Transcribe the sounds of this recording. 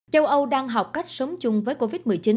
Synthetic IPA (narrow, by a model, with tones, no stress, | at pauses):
t͡ɕə˧wʔə˧wɗaː˧ŋɦa˨˩wk͡p̚ka˦˥jk̚səː˨˦mt͡ɕʊ˧ŋ͡mvəː˨˦jko˧vi˦˥t̚mɨ˨˩jt͡ɕi˨˦